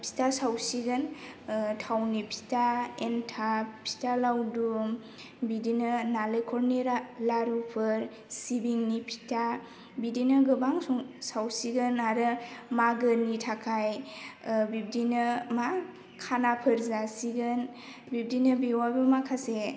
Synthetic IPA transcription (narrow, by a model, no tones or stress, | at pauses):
pʰi̥tasawsiɡɯn | tʰawnipʰi̥taentʰapʰi̥talawdum | bidinɯnalejkʰɔɾniɾalaɾupʰɯɾ | sibiŋnipʰi̥ta | bidinɯɡɯbaŋsɔŋsawsiɡɯnaɾɯmaɡənitʰakʰaj | bib̚dinɯma | kʰanapʰɯɾzasiɡɯn | bib̚dinɯbewabɯmakʰase